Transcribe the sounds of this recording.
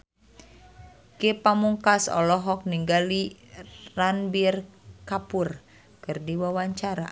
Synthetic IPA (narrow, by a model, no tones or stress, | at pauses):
kepamuŋkasɔ̰lɔɦɔk̚niŋɡali | ranbirkapur | kɨrdiwawaɲt͡ʃaɾa̰